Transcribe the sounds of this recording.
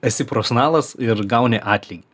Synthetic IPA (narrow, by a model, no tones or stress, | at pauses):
ɐsʲɪpɾoːsnɑːlˠɐsɪɾɡɑʊnʲɛʔɑːt̪ʲlʲɪkʲi